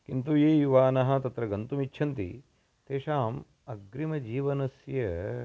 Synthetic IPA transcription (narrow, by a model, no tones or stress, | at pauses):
kint̪ujeːjuʋaːnɐɦɐ̆t̪ɐt̪ɾɐɡɐnt̪umit͡ʃːʃʰɐnt̪ḭ | t̪eːʃaːm | ɐɡɾimɐd͡ʒiːʋɐnɐsjɐ